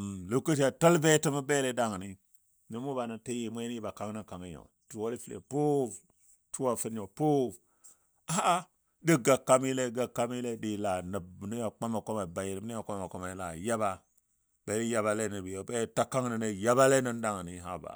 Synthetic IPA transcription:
lu˦ku˦t̬i˦a˨tə˦lbe˦tə˦ma˦be˦le˦da˦ŋ˨ni˦ | ni˨mu˦ba˨na˨ti˦ji˨mʷ˦e˦ni˦ba˨ka˦ŋ˦nə˦ka˨mi˦jo̰˨ | tu˨wo˦li˦fi˦lḛ˨po˦˨ | tu˦wa˨fi˦n˦ɲo˨po˦˨ | a˦a˦ | di˦ɡa˨kːa˦mi˦le˦ɡa˨kːa˦mi˦le˦di˨la˨nə˨bni˦ja˨k͡pa˦ma˨ko˦ma˨ba˨ji˨ɾi˨m˦i˦o˨k͡pa˦ma˨ko˦ma˨la̰˨ja˦ba˦ | b̥e˨li˦ja˦ba˨le˦ni˨bi˨o˨˦be˦ta˦ka˦ŋnə˨ne˦ja˦ba˦le˦nə˦n˦da˦ŋ˨ni˦ɦa̰˦ba̰˨

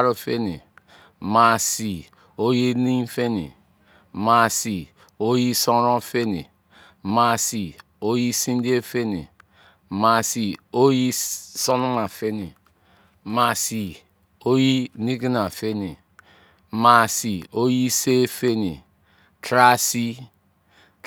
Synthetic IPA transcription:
ɾo˦fe˦ni˨ | ma˨si˨ | o˦ji˦ni˦fe˦nḭ˨ | ma˨si˨ | o˦ji˦so˦ɾo˦fe˦nḭ˨ | ma˨si˨ | o˦ji˦si˦n˦di˦e˦fe˦nḭ˨ | ma˨si˨o˦ji˦so˦nu˦ma˨fe˦ni˨ | ma˨si˨ | o˦ji˦ni˦ɡi˦na˨fe˦ni˨ | ma˨si˨o˦ji˦se˦fe˦nḭ˨ | tɾa˦si˦

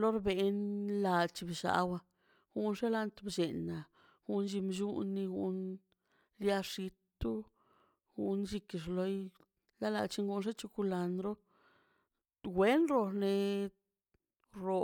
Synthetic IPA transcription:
lo˦ɾbe˧nla˧dt͡ʃi˧bi˨ʃa̰˨˧˦wa˧ | ɡ̥u˦nʐe˦la˧nt̪bd͡ʒe˨na˨ | ɡ̥u˧˦nd͡ʒi˧md͡ʒu˦nːi˧ɡṵ˧n | lja˧ʂi˧t̪u˦ | ɡ̥u˧˦nʃi˧ki˧˨ʐ̬lo˧j | la˦la̰˧t͡ʃi˦ŋɡu˧nʐ̬e˦t͡ʃu˧ku˧la˧nd̪ɾo˦ | ɡwe˦nɾo˧ne˧ | ɾo˧

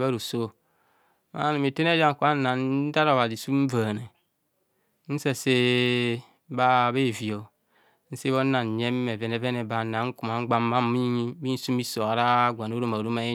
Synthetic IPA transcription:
ba˦ɾu˨so˦ | ma̰˦ni˨mi˨te˦n˦e˦d͡ʒa˦ŋ˨ku˦a˦na˨n̩˦da˦ɾo˨ba˨di˨su˦m̩˦va˨ne˨˦ | n̩˦se˦se˦ | ba˦˨be˦˨vi˨o˨ | n̩˦se˦βo˦na˨n˨ɲe˦mː˦e˨ve˨ne˦ve˦ne˨ba˨na˨˦ŋ̩˦ku˨ma˨˦ɡ͡ba˦m˦ma˦m˦mi˦ɲi˦bi˦n̩˦su˦mi˦so˨a˨ɾa˦ɡʷa˨no˦ɾo˦˨ma˨ɾu˦ma˦e˦

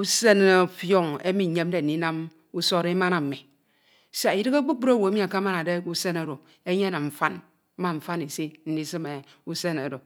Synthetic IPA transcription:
u˦se˦n˨e˨fjo˦ŋḛ˦mi˨ɲe˦m˦de˨n̩˨i˦na˦m | u˦so˦ɾe˦ma˦na˨m̩˨mi˨ | sa˨i˨dɨ˦ka˦ɡ͡bu˦bu˦ɾa˦˨wo˨e˦mi˦a˨ka˦ma˦na˨de˦u˦se˦ne˨ɾo˨ | e˦ɲe˦˨na˨ɱ̩˨fa˦n̩˦ | ma˨ɱ̩˨fa˦ni˨si˦n̩˨˦di˦sɨ˦me˨ | u˦se˦ne˨do˨

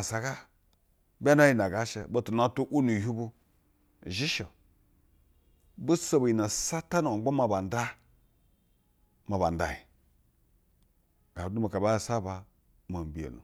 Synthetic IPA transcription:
a˨sa˨ka˦ | bʲa˦n˦a˦ji˦na˨ɡa˨ʃḛ˨bo˦tu˨na˦tu˦ʔu˦nu˨hu˦bu˦˨ | ʒi˦ʃo˨ | bu˦so˦bu˨ji˨na˨sa˦ta˦n˨a˨˦o˦ma˨ba˨nda˦ | ma˨ba̰˨n˨da̰˨i˨ | ɡ̥a˨du˦ma˨ka˨ba˦˨sa˦ba˨ | ma˨m˨bi˨ḛ˨nṵ˨

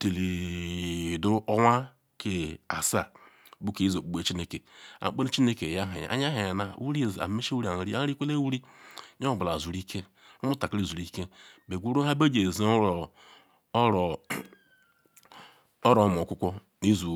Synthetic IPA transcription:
te˨li˨ | du˦o˦wa˦ | kʰe˦a˨sa˦ | bu˦ke˨˦i˦zo˨k͡pu˦ɡ͡be˨t͡ʃi˦ne˦ke˨a̰˨˦k͡pe˦ne˦t͡ʃi˦ne˦ke˨ja˦ɦa˨j̰a̰˨˦ɲa˦ɦa˨na˨wu˦ɾi˦˨za̰˨me˦ʃe˦wu˦ɾi˦a˨ɾi˦a˦i˦kʷe˦le˦wu˦ɾi˦ɲ˦o˦˨bla˨zu˨ɾi˦kʰe˦ | mu˦ta˨ke˦˨zu˨ɾi˦ke˦be˨ɡʷu˦ɾo˦a˦ba˦d͡ʒe˨zi˨˦ɾ | ɾ | o˦ɾo˨m˨o˨kʷu˦kʷo˦ | i˦zu˨

